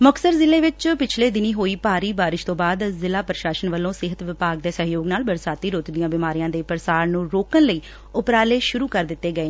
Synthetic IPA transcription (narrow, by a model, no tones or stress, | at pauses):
məksəɾzɪleːʋɪt͡ʃpɪt͡ʃʰleːd̪ɪniːɦoːiːpaːɾiːbaːɾɪʃt̪õːbaːd̪zɪlaːpɾəʃaːʃənʋəlːõːsɪɦət̪ʋɪpaːɡ̚d̪eːsəɦjoːɡnaːlbəɾsaːt̪iːɾoːt̪d̪ijãːbɪmaːɾijãːd̪eːpɾəsaːɾnũːɾoːkənləiː | ʊpɾaːleːʃʊɾuːkəɾd̪ɪt̪ːeːɡəeː